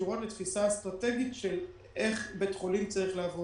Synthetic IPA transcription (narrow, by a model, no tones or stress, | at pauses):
uʁotlet̪fisaːst̪ʁate̞ɡitʃel | ʔe̞χbet̪χolimt͡saʁiχleavo